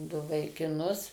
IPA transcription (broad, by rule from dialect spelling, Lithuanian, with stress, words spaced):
ˈdʊ ʋɐɪkʲɪˈnʊs